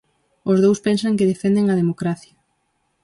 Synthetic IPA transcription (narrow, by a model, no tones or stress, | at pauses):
ʊzðowspɛnsɐŋkɪðefend̪eŋɐð̞emokɾaθjɐ